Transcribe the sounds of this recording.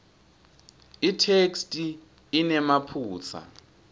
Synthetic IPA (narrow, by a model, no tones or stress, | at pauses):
itʰekstʼiː | nɛmapʰuːt͡sʰa̰